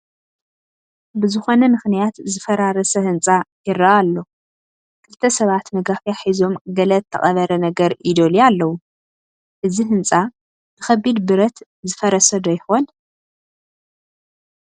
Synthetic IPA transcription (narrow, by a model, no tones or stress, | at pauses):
bɨzɨxo̞nɐmɨxnijat̪zɨfɐɾaɾɐsɐhɨnt͡sʼajɪɾɐʔalːo̞ | kʰɨlt̪ʰɐsɐβat̪mɐɡafjaħizo̞mɡɐlɐt̪ʰːɐ̰χʼɐβɐɾɐnɐɡɐɾʔid̪o̞lialːɐwu | ʔɨziɦɨnt͡sʼa | nɨxɐbːid̪bɨɾɐt̪ | zɨfɐɾɐsɐd̪ɐjɪxon